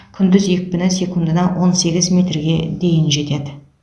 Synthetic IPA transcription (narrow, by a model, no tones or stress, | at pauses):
kʲʰʏnd̪ɪzje̞k̚ʲbɪnɪsʲe̞kund̪ənɑwʔo̞nse̞ɡʲɪzmʲe̞t̪rɡʲe̞d̪e̞jɪnʒe̞t̪e̞d̪ɪ